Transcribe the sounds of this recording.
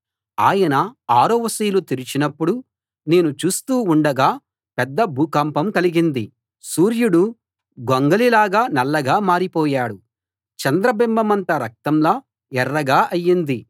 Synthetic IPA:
aːjɐnɐaːɾoːʋɐsiːlut̪iɾit͡ʃinɐpːuɽu | ne̞ːnut͡ʃuːst̪uːuɳɖɐɡaː | pɛd̪ːɐbʱuːkampɐmkɐliɡind̪ḭ | suːɾjuɽu | ɡoŋɡɐlilaːɡaːnɛlːɐɡaːmaːɾipɔːjaːɽu | t͡ʃɐnd̪ɾɐbimbɐmɐnt̪ɐɾɐk̚t̪ɐmlaː | ɛrːɐɡaːʔɐjːind̪i

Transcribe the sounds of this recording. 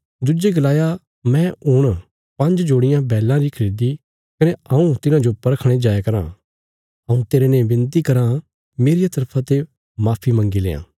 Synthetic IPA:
d̪ʊd͡ʒeɡɐlaːja | mɛ̃ʊɽ̃ | pɐ̃ɲd͡ʒd͡ʒoːɽɪjãbɛːlãɾikʰɐɾiːd̪i | kɐneɐũt̪ɪnãd͡ʒopɐɾəkʰɽ̃ed͡ʒaːekɐɾã̰ː | ɐũt̪eːɾenẽẽbɪ̃nt̪ikɐɾã | meːɾejat̪ɐɾpʰãt̪e | maːpʰimɐ̃ŋɡilḛːã̰ː

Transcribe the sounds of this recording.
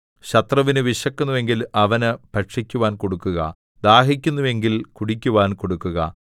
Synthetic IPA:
ɕɐt̪rɐʋinɨʋiʂɐkːunːuʋe̞ŋɡilɐʋɐnɨpɐʈʂikʲːuʋaːnko̞ɽukːuɣɐ̰ | d̪aːɦikʲːunːuʋe̞ŋɡilkuɽikʲːuʋaːnko̞ɽukːuɣɐ̰

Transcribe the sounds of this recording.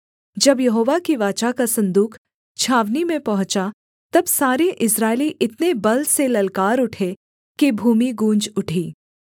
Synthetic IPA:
d͡ʒɐbjɐɦoːʋakiʋaːt͡ʃakasɐ̃nd̪uːkʰ | t͡ʃʰaːʋnimẽpɐɦʊ̃t͡ʃa | t̪ɐbsaːɾeʔɪsɾaːɪliʔɪt̪nebɐlselɐlkaːɾʊʈʰe | kibʱuːmiɡũːnd͡ʒʊʈʰiː

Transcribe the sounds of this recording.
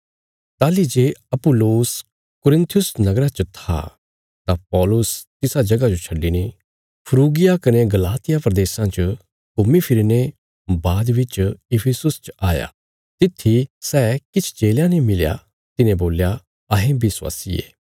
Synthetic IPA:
t̪aːlid͡ʒeːɐpʊlːoːs | kʊɾɪ̃nt̪ʰjʊsnɐɡɾat͡ʃət̪ʰa̰ | t̪apɔːlʊst̪ɪsad͡ʒɐɡad͡ʒot͡ʃʰɐɖine | pʰəɾuːɡɪjakɐneɡɐlaːt̪ɪjapɾɐd̪eːsãt͡ʃə | kʊmipʰɪɾine | baːd̪ʋɪt͡ʃɪpʰɪsʊst͡ʃaːja̰ | t̪ɪt̪ʰːisɛːkɪt͡ʃʰt͡ʃeːljãnĩmɪlja̰ | t̪ɪnẽboːlja | ɐɦẽbʱɪswa̰ːsiḛː

